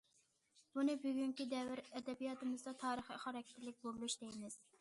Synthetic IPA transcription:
bunɨbyɡʲyŋkʲid̪ɛwɪɾɛd̪ɛbijɑt̪ɨmɨzd̪ɑt̪ʰɑːɾəχiχɑɾɛkʲʰt̪ʰlɪk̚ʲboɾlˠuʃd̪ejmɪz̥

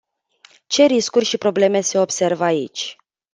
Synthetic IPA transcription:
t͡ʃe̞ɾiskurʲʃipɾo̞ble̞me̞se̞o̞bse̞rvait͡ʃʲ

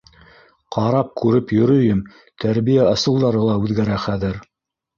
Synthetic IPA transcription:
qɑɾɑp̚kʉɾɘpjɵ̆ɾɵ̆jɘm | t̪æɾβijæɑsɤ̆lˠd̪ɑɾɤlˠɑʉðɡæɾæχæðɘɾ

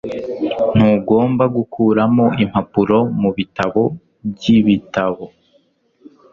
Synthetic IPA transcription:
n̥uːɡo̞ːmbaɡukʰuːɾamo̞im̥apuɾo̞muβitaβo̞ | bɟiβitaβo

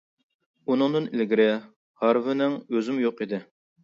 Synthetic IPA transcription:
unɨŋd̪ɨnɪlɡʲiɾɪ | hɑɾvɪnɪŋøzymjoqid̪ɪ

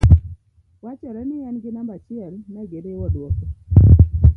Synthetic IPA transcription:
wat͡ʃɛɾɔnijanɡinambat͡ʃiɛlnaɡɛlɛwɔduɔkɔ

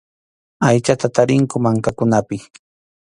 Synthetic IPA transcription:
ajt͡ʃat̪at̪aɾɪŋkʊmaŋkakʊnapɪʃ

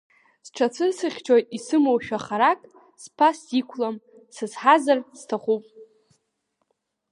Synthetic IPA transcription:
sʈ͡ʂʰat͡sʰɨsɨχʲt͡ʃʰʼojtʼisɨmowʃᶣaχaɾakʼ | spʰasikʷʰlam | sɨzħazarstʰaχʷupʼ

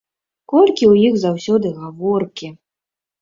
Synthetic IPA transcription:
kɔlʲkʲiwjixzawsʲɔd̪ɨɣavɔrkʲi

